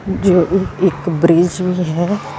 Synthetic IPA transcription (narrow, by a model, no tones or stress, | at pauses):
d͡ʒoːɪkbɾɪd͡ʒbiɦɛ